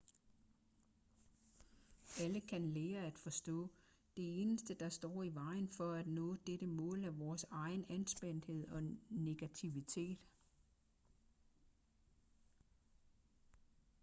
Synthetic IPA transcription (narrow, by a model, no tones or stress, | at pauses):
æləkʰænleːɐæd̥fɒ̽sd̥ɔ̰̽ː | d̥e̝e̝ːnəsd̥əd̥ɑ̈sd̥ɒ̰ːiʋɑ̈ɪ̰nfɒ̽æd̥nɔ̰̽ːd̥eɾ̥əmɔ̰̽ːlæʋɒːsɑ̈ɪn̩ænsb̥en̰d̥he̝ð̞̰ˠɒ̽ne̝ɡ̥æt͡sʰiʋit͡sʰe̝̰ːd̥